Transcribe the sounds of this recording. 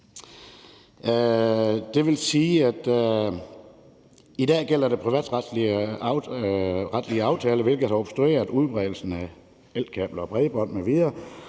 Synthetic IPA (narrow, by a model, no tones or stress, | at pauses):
d̥e̝ʋe̝lsiːæd̥ | id̥ɛ̰ːɡ̥el̰ɐde̝pʰʁiʋɛ̰ːd̥ʁd̥li | ʁad̥liəɑ̈ʊt͡sʰɛːləʋe̝lɡ̥ð̩ˠhɑɒb̥sd̥ʁue̝̰ːɐðˠuð̞ˠb̥ʁɛðˠl̩sn̩æ | el̰̥̚kʰɛb̥lɐɒ̽b̥ʁɛðˠəb̥ɒ̽n̰meʋiːɐ